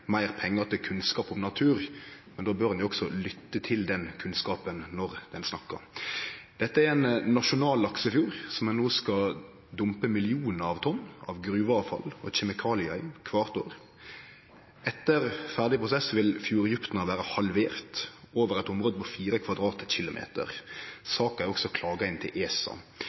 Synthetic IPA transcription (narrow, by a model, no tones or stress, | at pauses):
mæɪʁpʰɛŋːəʁt̪ʰɪlkʰʉnskɑːpɔmnɑt̪ʰʉːʁmɛnd̪oːbøːʁnjʊɔksɔlʏt̪ːət̪ʰɪld̪ɛnkʰʉnskɑːpənnɔʁd̪̥ɛnsnɑkːə̰ɾ | d̪̥ɛt̪ːəæɾɛnnɑʃʊnɑːlɑksəɪfjuːɾsɔmɛnːoːskɑ | d̪ʊmpəmɪlɪuːnəɾɑʋt̪ʰɔnːɑ̰ʋɡɾʉːʋəɑːʋfɑ̰lɔ̰çɛmɪkʰɑːlɪɑɪmkʰʋɑːʁt̪oːʁ | ɛt̪ːəʁfæʁd̪ɪpʰʁʊsɛsʋɪlfjuːɾjʉpt̪nɑʋæːɾəhɑlʋeːʁt̪ | oːʋəʁɛɪt̪ɔmɾoːd̪əpʰɔfiːɾəkʰʋɑd̪ʁɑːt̪ɕɪlʊmʔḛːt̪ə̰ʁsɑːkæɪɔksɔkʰlɑːɡɑɪnt̪ʰɪlʔeːsɑ̰